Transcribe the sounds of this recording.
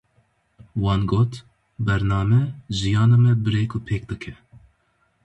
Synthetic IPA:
wɑːnɡoːt̪ | bɛɾnɑːmɛzijɑːnɑːmɛbɨɾeːkʰʊpʰeːk̚d̪ɨkʰɛ

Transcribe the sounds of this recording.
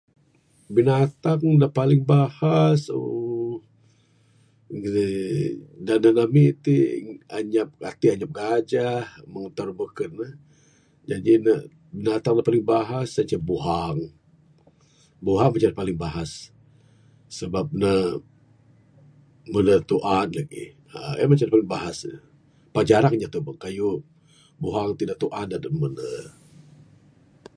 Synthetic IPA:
binat̪aŋdaʔpalɪŋbahaso̰ | ɡ | dananamit̪ia̰ɲap̚kat̪iaɲap̚ɡad͡ʒahməŋət̪arməkənə | d͡ʒadina | binat̪aŋdahpalɪŋbaɦasat͡ʃabuɦaŋ | buɦaŋmat͡ʃaɾipalɪŋbaɦas | əbap̚nə | mənət̪uʔanlaɡḭ | əa̰mat͡ʃanipalɪŋbaɦas | pad͡ʒaɾaŋɲat̪ubaŋkaju | buɦaŋt̪idaʔ̚t̪uʔandadəmənə̰

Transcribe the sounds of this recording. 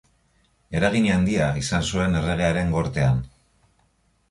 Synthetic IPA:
e̞ɾaɣ̞iɲeand̪iaisansue̞ne̞re̞ɣ̞e̞aɾe̞ŋɡo̞ɾt̪e̞an

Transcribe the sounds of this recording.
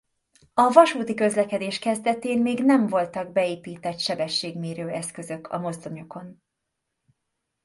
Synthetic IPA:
ɒvɒʃuːt̪ikø̞zlɛkɛd̪eːʃkɛzd̪ɛt̪eːnmeːɡnɛɱvo̞lt̪ɒɡ̚bɛeːpiːt̪ɛt̪ʃɛbɛʃːeːɡmeːɾøːɛskø̞zø̞kʰɒ̰mo̞zd̪o̞ɲo̞ko̞n

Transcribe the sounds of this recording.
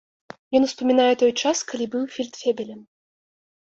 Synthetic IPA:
jɔnwspɐmʲinajɛt̪ɔjt͡ʂaskɐlʲibɨwfʲilʲt̪fʲebʲɛlʲɛn

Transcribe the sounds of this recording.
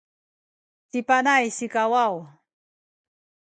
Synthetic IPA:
sipanajsikawaw

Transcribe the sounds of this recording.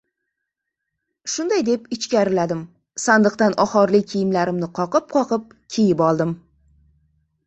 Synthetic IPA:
ʃʊnd̪ajd̪e̞pɪt͡ʃkʲaɾɪlad̪ɪm | sand̪ɨqt̪anʔɒχɒɾlɪkʲʰejɪmlaɾɪmnɪqʰɒqɨp̚qʰɒqʰɨp̚ | kʲʰejɪpɒlˠd̪ɪm

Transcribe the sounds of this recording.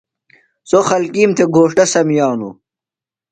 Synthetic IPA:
soxɐlkiːmt̪ʰeɡʱoːʂʈɐsɐmjɑːnṵ

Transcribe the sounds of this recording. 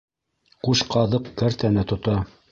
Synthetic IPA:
quʃqɑðɤqkæɾt̪ænɘt̪ŏt̪ɑ

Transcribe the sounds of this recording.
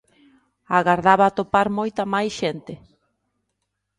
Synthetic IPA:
aɣaɾðaβaːt̪opaɾmojt̪amajsʃent̪ɪ

